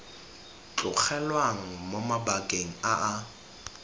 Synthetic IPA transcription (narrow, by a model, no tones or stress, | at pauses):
t͡ɬʼʊk͡xʰɛlwaŋ̩momabakʼeŋ̩aʔa